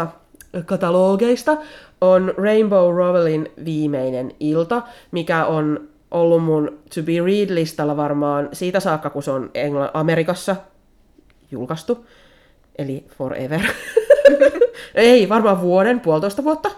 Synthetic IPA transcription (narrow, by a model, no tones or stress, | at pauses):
kɑt̪ɑloːɡeist̪ɑ | onreimbowrobelinʋiːmeinenilt̪ɑmikæon | ʔolːummunt̪ybiriːdlist̪ɑlːɑʋɑrmɑːnsiːt̪æsɑːkːɑkuseoneŋlɑʔɑmeɾikɑsːɑ | jṵlkɑst̪u | ʔelifo̰rḛʋer | eiʋɑrmɑːʋʋuoɾenpuolt̪oist̪ɑʋuot̪ːɑ